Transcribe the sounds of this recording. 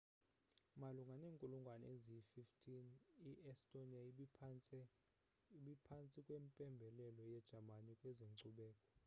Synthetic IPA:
maluŋɡʱaneːŋkʼuluŋɡʱwaneziififtʰʼiniʔɛstʼoniai | ɓipʰant͡sʼikʼwempʼɛmbʱɛlɛlɔjɛd̥ʒ̥ʱamanikʼwɛzeŋǀuɓɛːkʼɔ

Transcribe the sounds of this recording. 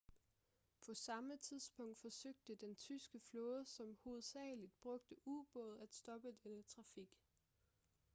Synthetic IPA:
pʰɒ̽sɑ̈mət͡sʰiðˠsb̥ɔ̽ŋ̰d̥fɒ̽søɡ̥̚d̥əd̥ent͡sʰysɡ̥əflɔ̽ːð̩ˠəsɒ̽mho̝ð̞̩ˠsɛ̰ːlid̥̚b̥ʁɔ̽ɡ̥̚d̥əʔub̥ɔð̞̩ˠæd̥sd̥ɒ̽b̥əd̥enət͡sʰʁɑ̈fiɡ̥

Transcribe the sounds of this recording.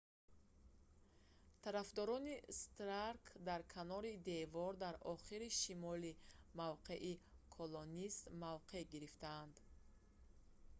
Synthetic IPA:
t̪ʰaɾafd̪ɔɾɔnist̪ɾaɾkʰd̪aɾkʰanɔɾid̪e̞vɔɾd̪aɾɔχiɾiʃimɔlimavqe̞ʔikʰolonist̪mavqʰe̞ɡiɾift̪aːnd̪

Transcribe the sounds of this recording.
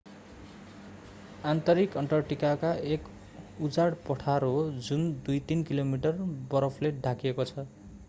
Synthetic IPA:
ant̪ʌɾikʌɳʈʌrʈikakaek | ud͡zaɽpʌʈʰaɾod͡zund̪ujt̪inkilomiʈʌrbʌɾʌpʰleɖʱakiekot͡sʰʌ

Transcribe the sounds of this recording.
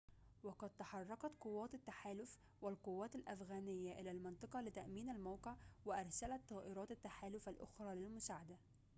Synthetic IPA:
wɑqɑd̪̚t̪ɑħɑrˤːɑqɑt̪qʊwːaːt̪at̪ːaħaːlʊf | wɪlqʊwːaːt̪alʔafɣaːnɪjːaʔɪlaːlmɪnt̪ˤɨqɑlɪt̪aʔmiːnalmawqɪʕwɪʔɑɾˤsalat̪ˤːɑːʔɪɾɑːt̪at̪ːaħaːlʊfalʔʊ̰xɾˤɑːlɪlmʊsaːʕad̪a

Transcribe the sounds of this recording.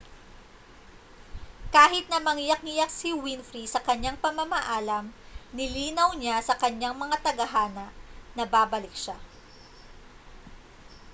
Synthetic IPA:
kaːhɪt̪̚nɐmɐŋɪjɐk̚ŋɪjak̚sɪwinfɾisɐkɐɲːaŋpɐmamɐʔaːlɐmnɪliːnɐwɲasɐkɐɲaŋmɐŋat̪ɐɡɐɦaːnɐʔnɐbaːbɐlɪk̚ʃa

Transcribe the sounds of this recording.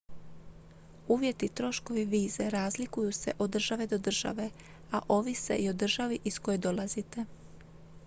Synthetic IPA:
uːʋje̞t̪it̪ɾo̞ʃko̞ʋiʋiːzeɾaːzlikujuse̞̰ʔo̞d̪r̩ʒaʋe̞d̪o̞d̪r̩ʒ̥a̰ʋe̞ | aʔo̞ʋise̞̰ʔio̞d̪r̩ʒaʋiʔisko̞jed̪o̞lˠazit̪e̞

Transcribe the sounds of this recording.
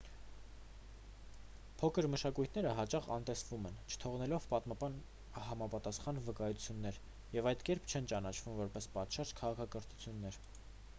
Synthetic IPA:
pʰɔkʰəɾməʃɑkujt̪ʰnɛɾəɦɑt͡ʃɑχɑ̰nt̪ɛsvumɛnt͡ʃʰə̥t̪ʰɔʁnɛlɔvpɑt̪mɑbɑn | hɑmɑpɑt̪ɑsχɑnvəkɑjut͡sʰjunːɛɾ | jɛvɑjt̪kɛɾpʰt͡ʃʰɛnt͡ʃɑnɑt͡ʃʰv̥umvɔɾpɛspɑt̪ʃɑɾd͡ʒkʰɑʁɑkʰɑkəɾt̪ʰu̥t͡sʰjunːɛɾ

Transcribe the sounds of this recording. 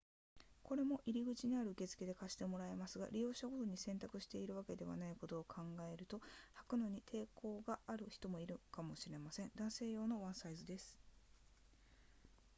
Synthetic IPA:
ko̞ɾe̞mo̞ʔiɾʲiɡɯ̟t͡ɕiɲiaɾɯ̟ɯke̞t͡sɨ̥ke̞d̪ekaɕi̥t̪e̞mo̞ɾae̞masɨɡa̰ɾʲijo̞ːɕaɡo̞t̪oɲ̟isẽ̞nt̪akɯ̟ɕi̥t̪e̞iɾɯ̟β̞ake̞d̪e̞βa̰naiko̞t̪o̞ːkʰãŋɡae̞ɾɯ̟t̪o̞hakɯ̟no̞ɲ̟it̪ʰe̞ːko̞ːɡaʔːɾɯ̟çi̥t̪o̞mo̞iɾɯ̟kamo̞ɕiɾe̞masẽ̞nd̪ãɰ̃se̞ːjo̞ːno̞βãɰ̃saizɨd̪e̞sɨ̥

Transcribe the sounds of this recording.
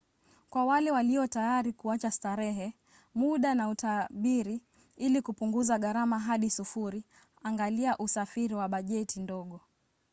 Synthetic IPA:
kwawalɛwaliɔtajaɾikuat͡ʃastaɾɛɦɛ | muɗanautaɓiɾi | ilikupuŋɡuzaɠaɾamaɦaɗisufuɾi | aŋɡaliaʔusafiɾiwaɓaʄɛtindɔɠɔ

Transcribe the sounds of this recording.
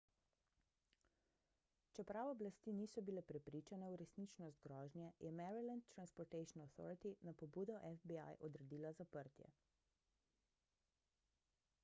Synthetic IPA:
t͡ʃɛpɾawɔblast̪iːniːsɔbilɛpɾɛpɾiːt͡ʃanɛuɾɛsnit͡ʃnɔst̪̚ɡɾɔːʒnjɛjɛmɛɾilɛndt̪t̪ːɾanspɔɾt̪ɛjʃnaθɔ̰ːɾit̪inapɔbuːd̪ɔʔɛfbia̰jʔɔd̪ɾɛd̪iːlazapəɾt̪jɛ̰

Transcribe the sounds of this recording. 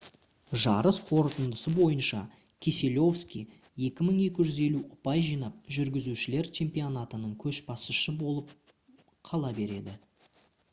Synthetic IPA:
ʒɑɾəsqʰo̞ɾt̪ənd̪əsəbo̞jənʃɑ | kʲʰese̞lʲo̞fskʲij | je̞kʲɪməɴe̞kʲɪʒʏze̞luʔʊpɑjʒijnɑp̚ʒʏɾɡʲɪzuʃɪle̞ɾt͡ʃʰe̞mpionat̪ənəɴkʲʰɵʃbɑsəʃəbo̞lˠəp̚ | qʰɑlˠɑbe̞ɾe̞d̪ɪ

